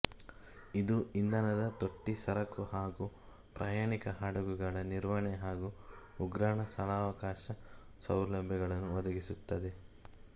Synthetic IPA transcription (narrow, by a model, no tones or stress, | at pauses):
id̪uind̪ɐnɐd̪ɐt̪oʈːisɐɾɐkuhaːɡu | pɾʔaːjaːɳikɐɦaːɽɐɡuɡɐɭɐniɾʋɐɳeɦaːɡuː | ɡɾaːɳɐsɐlaːʋɐkaːʃɐ | sɐwlɐbʱjɐɡɐɭɐnːuʋɐd̪ɐɡisut̪ːɐd̪e̞